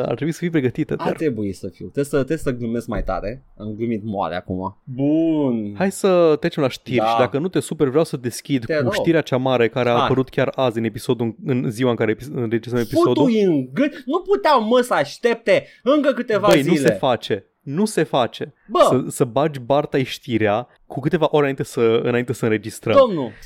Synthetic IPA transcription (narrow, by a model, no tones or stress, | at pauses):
a̰rt̪ɾebuisə̥fijpɾeɡət̪it̪əd̪aa̰rɾebujisəfiwt̪ɾesət̪ɾesəɡɨmeskmajt̪a̰ɾe | a̰mɡɨmit̪moa̰lḛa̰kṵma̰bunhajsət̪ɾet͡ʃemlaʃt̪irʃid̪akənut̪e̞supeɾvɾjawsəd̪e̞skʲid̪t̪uʃiɾeat͡ʃamaɾe̞kaɾe̞aːpəɾut̪kʲaɾazɨne̞piso̞d̪uɨnziwaɨŋkaɾepiɨnɾed͡ʒist̪əmepisod̪uujɨŋɡɨnuput̪eawməsəaʃt̪ep̚t̪e | ɨŋkəkɨt̪evaəjnzuisle̞fat͡ʃe̞ | nuse̞fat͡ʃe̞ | bəəsəbad͡ʒʲbart̪aiʃt̪iɾea | kukɨt̪e̞vaʔo̞ɾenaint̪e̞səɨ̰naint̪e̞səɨnɾe̞d͡ʒist̪ɾəd̪omnu